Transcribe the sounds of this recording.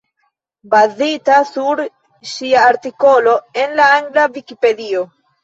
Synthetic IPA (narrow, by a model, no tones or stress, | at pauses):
bazitasuɾ | ʃiaːɾtiko̞lo̞e̞nlaaŋɡlavikipe̞dio̞